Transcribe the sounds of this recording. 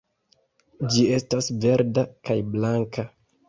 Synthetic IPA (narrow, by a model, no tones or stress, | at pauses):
d͡ʒie̞stasve̞ɾdakajblaŋka